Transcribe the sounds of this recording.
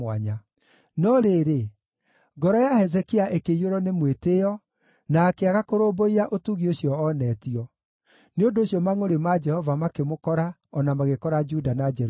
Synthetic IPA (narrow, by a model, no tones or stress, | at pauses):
waɲa | nɔɾeːɾe | ɡɔɾɔjahɛzɛkiaʔekeiɾoɾɔnemwetejɔ | naːkeaɣakoɾoboiɾaʔotuɣioɕiɔːnɛtiɔ | neondoːɕjɔmaŋoɾemad͡ʒɛhɔvamakemokɔɾa | ɔnamaɣekɔɾad͡ʒudanad͡ʒɛɾ